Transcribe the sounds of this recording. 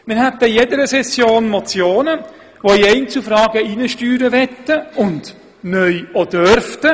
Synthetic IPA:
mɪɾhɛt̪əjɛdəɾəsɛsjoːnmɔt͡sjoːnə | ʋoiɛɪnt͡sufɾɑːɡ̥əiːnəʃtyːɾəʋɛtːəʊnd | nœʏod̥øɾftə

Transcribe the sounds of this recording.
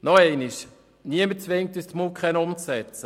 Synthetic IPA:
nɔɛɪniʃ | niəmət͡sʋɪŋ̚tyːst̪mukχɛnʊmt͡sɛt͡sə

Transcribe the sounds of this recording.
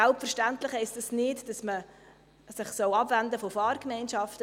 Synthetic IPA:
ælpfɛɾʃtæntlɪχɛɪstɑsnɪtd̥ɑsmə | sɪχsɔwɑbvændəfofɑːɾkmɛɪnʃɑftə

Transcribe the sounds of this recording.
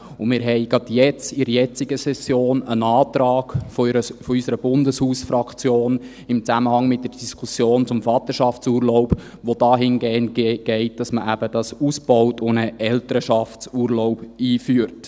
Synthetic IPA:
ʊmɪːɾɦɛɪɡɑd̥jɛt͡sɪɾijɛt͡sɪɡəsɛsjoːnənɑːt̪ɾɑːɡ̥ffɔysəɾəb̥ʊndəshuːsfɾɑkt͡sjoːn | ɪmt͡sæməhɑŋmɪt̚d̥əɾd̥iskʰusjoːnt͡sʊmfɑt̪əʃɑft͡suːɾlɔʊb | ʋodɑːɦɪnɡeːəntɡ̥ɛɪt̚d̥ɑsməʔæbəd̥ɑsusb̥ɔwtʰʊnəʔɛltəɾəʃɑft͡suːɾlɔʊbiːfyːəɾt

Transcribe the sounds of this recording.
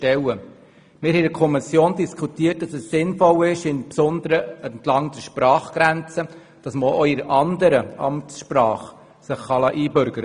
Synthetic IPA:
tɛwə | mɪːɾhɛɪdkʰɔmɪsjoːndiskʰutiːət̚d̥ɑsɛsːɪnfɔlɪʃɪnpsɔndəɾəəntlɑŋdəʃpɾɑːχɡ̥ɾænt͡sə | d̥ɑsməʔɔɪɾɑndəɾəɑ̰mtsʃpɾɑːχ | səχːɑlɑːʔiːbʏɾɡəɾə

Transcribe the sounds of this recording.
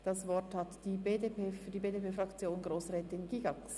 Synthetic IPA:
d̥ɑsvɔɐthatd̥iːbeːdepeːfydiːbeːdepeːfʁakt͡sjoːnɡʁoːsʁɛːtɪnɡ̥iːɡɑks

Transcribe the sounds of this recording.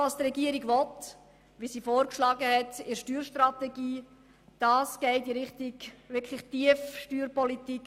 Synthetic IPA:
ɑsdɾɛɡiəɾiɡʋɔt | ʋisiːfoːɾkʃlɑːɡəhɛtɪʃtyːɾʃtɾɑtɛɡiː | d̥ɑːsɡ̥ɛɪdiɾɪχtikʋɪɾkʰlɪχtiəfʃtyːɾpɔlitik

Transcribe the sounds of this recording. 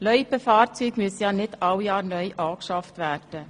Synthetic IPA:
lœʏpəfɑːrt͡syːɡmyəsəjɑːnɪtɑwjɑːɾnœʏʔɑːkʃɑftʋæːrd̥ə

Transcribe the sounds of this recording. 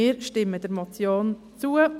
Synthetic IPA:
ɪːɾʃtɪməd̥ɛɾmot͡sjoːn | t͡suə

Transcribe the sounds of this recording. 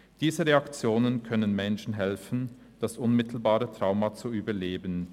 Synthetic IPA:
d̥iːzəʁeakt͡sjoːnənkʰœnənmɛnʃn̩ɦɛlfn̩ | d̥asʔʊnmɪtʰl̩baːʁətʁ̥aʊmat͡suyːbɐleːbən̩

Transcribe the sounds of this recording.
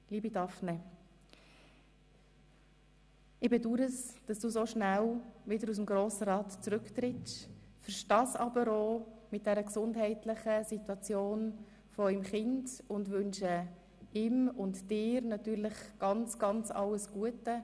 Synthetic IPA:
liːbidɑfnɛ | ɪbɪduɾəsd̥ɑsd̥uːsoʃnælvɪdəɾus̬mɡɾoːsəɾɑːtt͡sɾʏkt̪ɾɪtʃfɛɾʃtɑːsɑbəɾoːmɪt̚d̥ɛɾəksʊndɦɛɪtlɪχəsitwɑt͡sjoːn | fɔœʏmχɪndʊndʋʏnʃə | ɪmʊntd̥ɪːɾnɑtyːɾlɪχɡ̥ɑnt͡sɡ̥ɑnt͡sɑ̰ləsɡ̥uətə

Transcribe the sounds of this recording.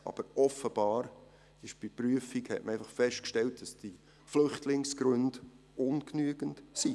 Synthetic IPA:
ʔɑ̰b̥əɾɔfəb̥ɑːɾ | ɪʃb̥ipryəfikhɛ̰tməɛjfɑχfɛʃt̚kʃtɛlt̚d̥ɑsd̥i | flʏχtʰlɪŋsɡ̥ɾɵnd | ʊnknyəɡ̥əntsi

